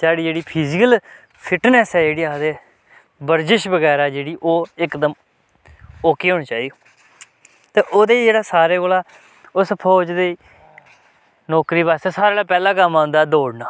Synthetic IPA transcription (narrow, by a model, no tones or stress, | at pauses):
d͡ʒaːɽiːd͡ʒeːɽiːpʰɪzɪkəl | pʰɪʈnɛsɛːd͡ʒeːɽiːaːd̪eː | bəɾd͡ʒɪʃbəɡɛːɾaːd͡ʒeːɽiːʔoːɪkd̪əm | oːkeːɦõːɳt͡ʃaːiː | t̪eːʔoːd̪eːd͡ʒeːɽaːsaːɾeːkoːlaː | ʊspʰoːd͡ʒd̪eː | nɔːkɾiːbaːst̪ːsaːɾeːɽaːpɛːlãːkəmãːnd̪aːd̪oːɽnaː